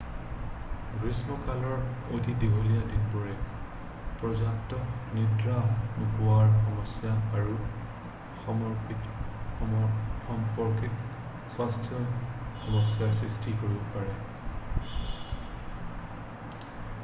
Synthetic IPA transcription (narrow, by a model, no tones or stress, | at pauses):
ɡɹismɔkalɔɹodʱidibʱolijadinbɔɹɛ | pɹɔd͡ʒaktɔnidɹaɦnukʊwaɹxɔmɔsjaːɹu | xɔmɔɹkit | xɔmpɔɹkit | swastʰjɔxɔmɔsjasɹistʰikoɹibɔpaɹɛ